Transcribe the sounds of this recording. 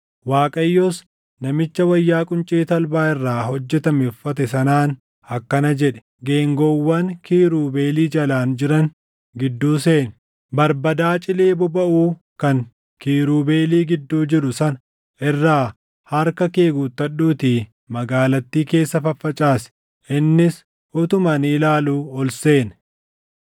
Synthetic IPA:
waːkʼɐjːoːs | nɐmɪt͡ʃːɐwɐjːaːkʼʊnt͡ʃʼeːt̪ɐlbaːɪrːaːhɔd͡ʒːɛt̪ɐmɛɔfːɐt̪ɛsɐnaːn | ɐkːɐnɐd͡ʒɛᶑɛ̥ | ɡeːŋɡɔwːɐŋkiːɾuːbe̞ːliːd͡ʒɐlaːnd͡ʒɪɾɐn | ɡɪd̪ːuːseːn | bɐɾbɐd̪aːt͡ʃʼɪle̞ːbʊbɐʔuː | kɐŋ | kiːɾuːbe̞ːliːɡɪd̪ːuːd͡ʒɪɾʊsɐnɐ | ʔɪrːaː | hɐɾkɐke̞ːɡuːt̪ːɐɗuːt̪iː | mɐɡaːlɐt̪ːiːke̞ːsːɐfɐfːɐt͡ʃʼaːsɛ̥ | ɪnːɪs | ɔt̪ʊmɐniːlaːluːɔlse̞ːn

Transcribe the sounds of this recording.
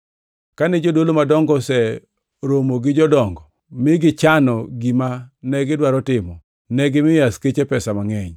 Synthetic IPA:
kanɪd͡ʒodolomadɔŋɡɔsɛ | ɾomoɡɪd͡ʒɔdɔŋɡɔ | mɪɡɪt͡ʃanɔɡimanɛɡɪdwaɾɔtɪmɔ | nɛɡɪmɪjasket͡ʃepɛsamaŋɛɲ

